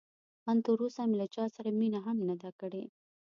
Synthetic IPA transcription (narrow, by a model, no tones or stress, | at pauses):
mant̪oɾusamelat͡ʃɑsaɾaminaɦamnad̪akəɽe